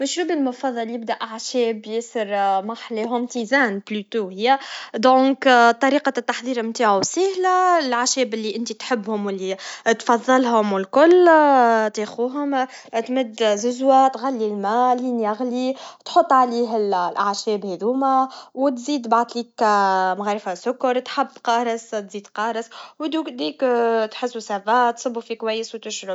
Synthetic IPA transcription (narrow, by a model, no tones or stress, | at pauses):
mɪʃɾuːbilmʊfɑðˤːɑljɪbd̪æʔaʕʃɛːbjɪsəɾmaħleɦʊmt̪izæːnblyt̪uhɪjːæd̪õːkt̪ˤːɑɾiːqɑt̪ːaħðˤiːɾmt̪aːʕusehlæɪlʕaʃɛːbɪlːiʔɪnt̪it̪ħɪbːhʊmwɪlːit̪fɑðˤːɑlɦʊmwɪlkʊl | t̪exuːɦʊm | t̪mɪd̪ːzʊzwat̪ɣalːilmæːlːinjæɣlit̪ħot̪ˤːʕaliːɦɪllʕaʃɛːbhɛðuːmæwt̪ziːd̪baʕd̪liːkmɣaɾˤfasʊkːʊɾˤt̪ħabːqɑːɾˤɪst̪ziːd̪qɑːɾˤɑswd̪ud̪iːkt̪ħɪsːusæbat̪sˤɨbːufikwæjːəswt̪ɪʃɾʊb